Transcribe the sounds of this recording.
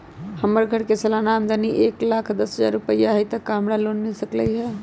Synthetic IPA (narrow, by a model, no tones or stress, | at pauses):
həmːəɾɡʱəɽkesəlanamd̪əniʔeklakʰd̪əsɦəd͡ʒa̰ɾupəjaɦəjt̪əkːamɽalonmesəkləjɦɛ